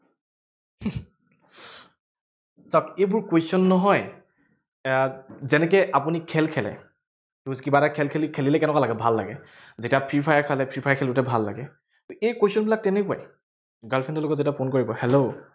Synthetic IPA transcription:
sɔkejbʊɹkwesɔnːɔɦɔj | zɛnɛk̬ɛʔapunikʰɛlkʰɛlɛ̰ | euzikibaɾakʰɛlkʰelikʰelilɛkɛnɛkwalaɡɛbʱalːa̰ɡɛ | zetiapʰipʰajaɹkʰalɛpʰipʰajaɹkʰɛlutɛbʱalːa̰ɡɛ | tʊejkosiɔnbilak̚tɛnɛkua̰j | ɡalpʰɛntɔloɡɔtzetiapʰonkoɹibɔhɛlo

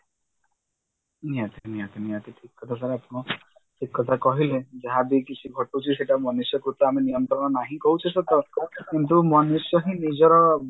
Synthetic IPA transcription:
niat̪ʰiniat̪iniat̪iʈʰikːɔt̪ʰasaɾapɔɽ̃ɔ̃ | ʈʰikːɔt̪ʰakɔɦiled͡ʒaɦãbikit͡ʃʰiɡʱɔʈut͡ʃʰiseʈamɔnusjɔkɾut̪ɔamenijɔnt̪ɾɔɽ̃ɔnaɦĩkɔɦut͡ʃʰɔsɔt̪ɔkint̪umɔnusjɔɦĩnid͡ʒɔɾɔ

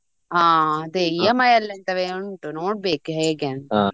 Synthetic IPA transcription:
ãːɐd̪eiemɐjɐlːɐnt̪ɐʋeuɳʈunoːɽ̚beːkɦeːɡen

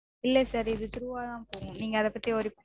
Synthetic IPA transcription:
ɪlːɛsɐɾɪðɯt̪ɪɾɯʋaːt̪ãːpoːŋʊ̃niːŋɡɐɐðɛpːɐt̪ːijɔɾɯp

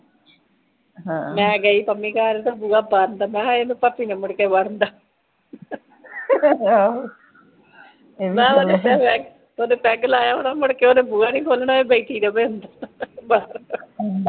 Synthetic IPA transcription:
ɦmɛ̃ːɡəiːpəmːĩːkaːɾet̪aːbuaːbaɾnd̪aːmɛ̃ːɦaːenũːpapːiːnẽməɽkeːbəɾnd̪aː | mɛ̃ːoːeɛʋɛɡ | oːneːpɛːɡəlaːjaːoːnaːməɽkeːoːnẽːbuːaːnĩːkoːlnaːẽːbeiʈ̪iːd̪əbeːʊnd̪abaːɾa

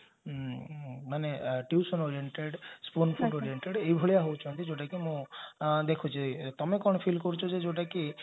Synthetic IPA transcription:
maneʈiusɔnɔɾieɳʈeɽspunpʰuɖoɾieɳʈeɽejbʱoɭijaɦowt͡ʃʰɔnt̪id͡ʒoʈakimũd̪ekʰut͡ʃʰit̪ɔmekɔɽ̃ɔpʰilkɔɾut͡ʃʰod͡ʒed͡ʒoʈaki

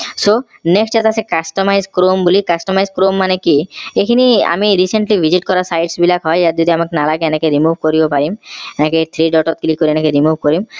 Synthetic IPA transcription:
so | neksʈat̪asekasʈɔmajzkɾombolikasʈɔmajzkɾomːanekiekʰinia̰miɾiseɳʈlibʱiziʈkɔɾasajʈsbilakɦɔjd͡ʒat̪d͡ʒɔd̪iamakenalaɡeɛnakeɾimubʱkoɾibopaɾimɛnaket̪ʰɾiɖɔʈɔt̪̚klikːoɾiɛnekeɾimubʱkɔɾim

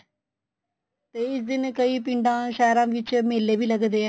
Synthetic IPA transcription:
t̪eːɪsd̪ɪnkəiːp̬ɪɳɖãːʃɛːɾãːʋɪt͡ʃmeːlːeːbiːləɡd̪eːɛ̃

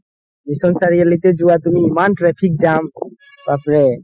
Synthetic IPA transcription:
misɔnsaɹialit̪ɛd͡ʒuwat̪umiːmanʈɹɛpʰik̚d͡ʒam | bapɹɛ

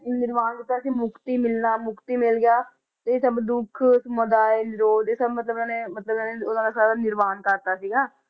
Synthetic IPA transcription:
nɪɾmaːnkɪt̪ːaːsĩːmʊkt̪iːmɪlnaːmʊkt̪iːmɪlɡɪjaː | t̪eːsəbd̪ʊkʰsməd̪aːelɪɾoːd̪eːsəbmət̪ləbnãːneːmət̪ləbnãːneʊnãːd̪aːsaːɾaːnɪɾmaːnkəɾt̪aːsiːɡaː

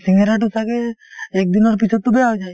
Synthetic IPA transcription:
siŋɡeɾaʈusaɡeek̚d̪inɔɾpit͡ʃʰɔt̪ːubeaɦod͡ʒaj

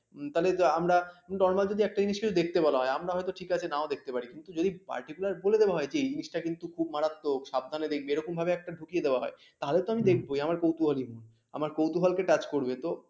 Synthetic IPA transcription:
t̪aɦoleamɾanɔɾmald͡ʑod̪iɛk̚ʈad͡ʑiniʃkit͡ɕʰud̪ek̚ʰt̪ebɔlaɦɔeamɾaɦɔet̪oʈʰikat͡ɕʰenaod̪ek̚ʰt̪epaɾikint̪ud͡ʑod̪ipa̰ɾʈikulaɾboled̪ewaɦɔed͡ʑed͡ʑiniʃʈakint̪ukʰub̚maɾat̪ːokʃab̚d̪ʱaned̪ekʰbeɾɔkumbʱabeɛk̚ʈaɖʱukijed̪eoaɦɔe | t̪aɦolet̪oamid̪ekʰboiamaɾkowt̪uɦaliɦun | a̰maɾkowt̪uɦalkeʈat͡ɕkoɾbet̪o

